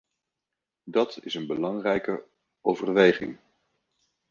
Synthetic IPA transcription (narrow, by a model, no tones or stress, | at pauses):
dɑtɪsənbəlɑŋrɛjkə | owvərʋejχɪ̰ŋ